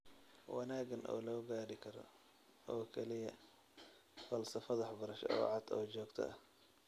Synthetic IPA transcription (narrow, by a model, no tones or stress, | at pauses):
wɑnaːɡɐnʔɔ̰ːlɔːɡaːɽɪkʰɐɾɔ̰ | ɔːkʰɛlɪjɐ | fɐlsɐfɐðɐħɑbɐɾɐʃɔ̰ːʕɑd̪ɔːt͡ʃɔːɡt̪ʰɐ̰ʔɐh